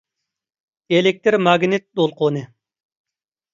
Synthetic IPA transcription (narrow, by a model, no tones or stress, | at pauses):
elɪk̚ʲt̪ɪɾmɑɡnɪt̪̚d̪olˠqʰonɨ